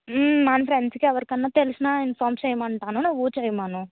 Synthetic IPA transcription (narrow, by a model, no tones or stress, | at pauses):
manɐpʰɾeɳɖskiɛʋɐɾikɐnːaːt̪elusinainpʰaːɾmt͡ʃɛjɐmɐɳʈaːnunuʋuːt͡ʃɐjimaːnu